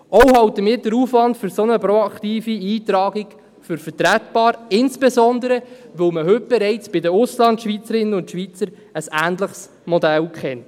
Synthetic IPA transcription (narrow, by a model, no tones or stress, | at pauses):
ɔwhɑwtəmɪːd̥əɾuːfʋɑntfʏɾsɔnəpɾoɑkt̪iːfiiːt̪ɾɑːɡɪɡ | fʏɾfəɾtɾætbɑːɾɪnsb̥ezɔnd̪əɾəʋɵwməɦɵt̚b̥ɛɾɛɪt͡sb̥ɪdəʊslɑntʃʋiːt͡səɾɪnənʊntʃʋiːt͡səɾ | əsæ̰ːnt̪ləχs | mɔdælkχɛnt